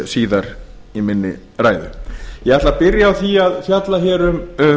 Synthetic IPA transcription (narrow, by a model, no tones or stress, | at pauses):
siːðaɾ̥ | imɪnːɪ̰ | ɾaːjðʏ̰jɛɣɛɾht̪apɪɾjaːwθiaðfjat̪laçɛːɾʏm